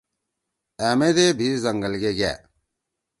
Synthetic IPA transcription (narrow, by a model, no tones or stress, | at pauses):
æːmeːd̪eːbʱiːzəŋɡəlɡeːɡɛ̰ː